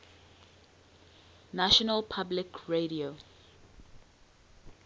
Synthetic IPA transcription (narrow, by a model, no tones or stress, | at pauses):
naʃɔnalpʰablikʰɹeɾio